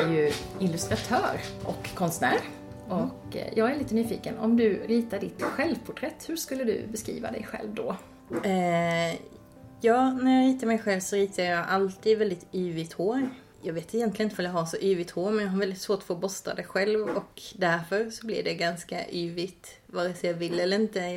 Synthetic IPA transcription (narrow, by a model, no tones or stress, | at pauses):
æɾjɵɪlɵst̪ɾat̪ʰœːɾʔɔ̰kʰːɔnst̪næːɾ | ʔɔkjɑːɡæɾɭiːt̪ənyːfḭːkənɔ̰md̪ɵɾiːt̪aɖɪt̪ɧɛlvpʰʊʈʰɾɛt̪ːhɵʂkɵlːəd̪ɵ̰bɛskɾḭːva̰d̪ɛ̰jɧɛ̰lvd̪ɔ̰ | jɑːɡnæɾjɑɾiːt̪əɾmɛjɧɛlvsɔɾiːt̪ʰəjɑɡʔalt̪ʰiːd̪vɛld̪ɪt̪yːvɪt̪hoːɾ | jɑːɡveːt̪ɛjɛnt̪lɪənɪt̪əvaljɑɦasɔʔyːvɪt̪hoːɾmɛnjɑɡɦaɾvɛld̪ɪt̪svoːʈɔ̥foːbɔst̪a̰d̪ɛjɧɛlvɔkd̪æɾfœɾsɔblɪ̰ɾɖɛɡanska̰ʔyːvɪt̪vɑːɾəsɔjɑvɪlːɛlːəɾɪnt̪ə